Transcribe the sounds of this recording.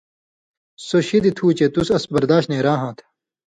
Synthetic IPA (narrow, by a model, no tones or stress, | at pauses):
soɕid̪it̪ʰuːt͡ɕet̪usɐsbɐɾd̪aːt̪nẽːɾaːɦãːt̪ʰ